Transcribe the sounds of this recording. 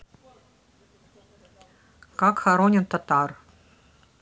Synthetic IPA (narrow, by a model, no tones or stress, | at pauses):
kɑkxaɾonʲɪnt̪ɑt̪ɑr